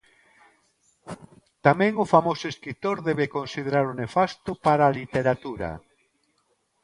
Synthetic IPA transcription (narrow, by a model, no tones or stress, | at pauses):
t̪amɛ̃ŋʊfamosʊeskɾit̪oɾðɛβekonsið̞eɾaɾʊnefast̪ʊpaɾaːlit̪eɾat̪uɾa̰